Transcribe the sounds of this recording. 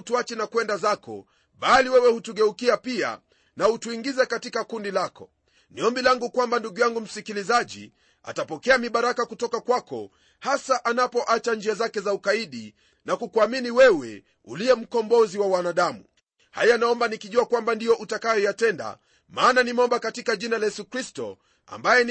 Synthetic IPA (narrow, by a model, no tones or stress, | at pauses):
tuat͡ʃɛnakwɛndazakɔ̰ | ɓaliwɛwɛhutuɠɛukiapia̰ | nahutuiŋɡizɛkatikakundilakɔ | niɔmbilaŋɡukwambanduɡujaŋɡum̩sikilizaʄḭ | a̰tapɔkɛamiɓaɾakakutɔkakwakɔ̰ | hasaʔanapɔʔat͡ʃaɲd͡ʒiazakɛzaukaiɗi | nakukuaminiwɛwɛ̰ | ṵliɛm̩kɔmbɔziwawanaɗamu | ha̰janaɔmbanikiʄuakwambandijɔʔutakajɔjatɛnda̰ | maːnanimɔmbakatikaʄinalajɛsukɾistɔ̰ | a̰mbajɛn